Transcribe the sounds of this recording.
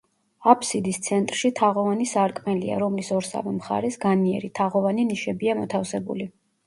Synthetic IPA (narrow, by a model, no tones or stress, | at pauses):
apʰsid̪ist̪sʰɛnt̪ʼɾʃit̪ʰaʁɔvanisaɾkʼmɛlia̰ɾɔmlisɔɾsa̰vɛmχa̰ɾɛsɡaniɛ̰ɾit̪ʰaʁɔvaniniʃɛbiamɔt̪ʰafsɛbṵli